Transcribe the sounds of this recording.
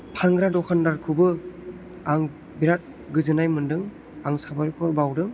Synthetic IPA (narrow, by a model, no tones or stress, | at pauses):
pʰaŋɡɾadɔkʰandaɾkʰɯbɯ | aŋ | biɾat̚ | ɡɯzɯnajmɯndɯŋ | aŋsabaɾikʰɔɾbawdɯŋ